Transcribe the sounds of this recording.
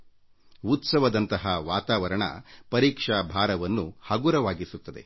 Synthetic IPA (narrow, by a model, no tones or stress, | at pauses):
ut̪sɐʋɐd̪ɐnt̪ɐɦɐʋaːt̪aːʋɐɾɐɳɐ̰pɐɾiːkʂabʱaːɾɐʋɐnːuhɐɡuɾɐʋaːɡisut̪ːɐd̪e̞̰